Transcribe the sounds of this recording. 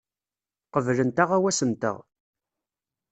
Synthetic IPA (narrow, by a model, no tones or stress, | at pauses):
qəvlənt̪aʁæwæsənt̪ə̰ʁ